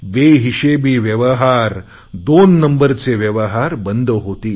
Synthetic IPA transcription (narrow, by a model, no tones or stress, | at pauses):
ʋeɦiɕebiːʋjəʋəɦaɾ | d̪onːəmbəɾt͡seʋjəʋəɦaɾbənd̪ʱɦot̪iː